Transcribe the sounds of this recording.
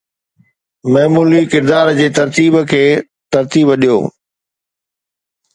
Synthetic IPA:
mɐɦmuːlikɪɾd̪aːɾd͡ʑeːt̪ɐɾt̪iːbkʰeː | t̪ɐɾt̪iːbəɗijo̰ː

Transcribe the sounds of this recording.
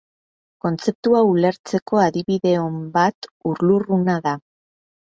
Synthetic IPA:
ko̞nt͡se̞p̚t̪uaule̞ɾt͡se̞ko̞aðiβiðe̞ombat̪uɾlurunaða

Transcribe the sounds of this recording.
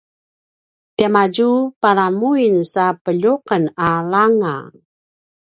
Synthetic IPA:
tiamaɟupaɾamuinsapəʎuqənalaŋa̰

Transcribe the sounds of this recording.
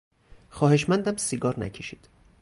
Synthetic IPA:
xɒːhe̞ʃmænd̪æmsiɡɒːɾnæ̰cʰeʃi̥ːd̪̥

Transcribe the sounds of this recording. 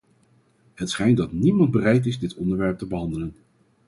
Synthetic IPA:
ɦətsχɛjntdɑtnimɑnd̚bərɛjt̬ɪzdɪtɔndəɹʋɛɹp̚təbəɦɑndələn

